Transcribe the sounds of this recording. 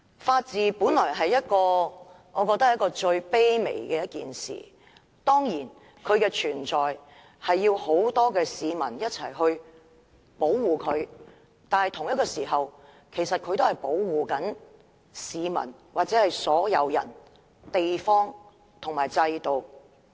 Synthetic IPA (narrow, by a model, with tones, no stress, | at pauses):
faː˧t̚t͡siː˨puː˨˥nlɔː˨˩jɦɐ˨jːɐ˥t̚kɔː˧ | ŋɔː˨˧kɔː˧k̚t̪ɐ˥k̚ːjɐ˥kɔː˧t͡ʃɵ˧ɥpe˥jmḛ˨˩jkɛː˧jɐ˥t̚kḭː˨nsḭː˨˩ | t̪ɔː˥ŋjiː˨˩n | kʰɵ˨˧ɥkɛː˧t͡ʃʰyː˨˩nt͡sɔː˨˩j | hɐ˨jːiː˧who˨˥wt̪ɔː˥kɛː˧siː˨˧mɐ̰˨˩njɐ˥t̚t͡sʰɐ̰˨˩jɦɵ˧ɥ | po˨˥wwuː˨˩kʰɵ˨˧ɥ | t̪aː˨˧nhɐ˨jt̪ʰʊ˨ŋjɐ˥t̚kːɔː˧siː˨˩ɦɐ˨w | kʰe˨˩jsɐ˨t̚kʰɵ˨˧ɥt̪o˥hɐ˨jpo˨˥wwuː˨kɐ˨˥n | siː˨˧mɐ̰˨˩nwaː˨t̚t͡sɛː˨˥hɐ˨jsɔː˨˥jɐ̰˨˧wjɐ̰˨˩n | t̪e˨jfɔː˥ŋ | t̪ʰʊ˨˩ŋmaː˨˩jt͡sɐ˧jt̪o˨˧w